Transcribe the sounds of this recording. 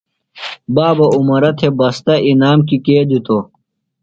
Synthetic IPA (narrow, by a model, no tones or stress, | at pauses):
baːbɐumɐɾɐt̪ʰebɐst̪ɐʔinaːmkikeːd̪it̪o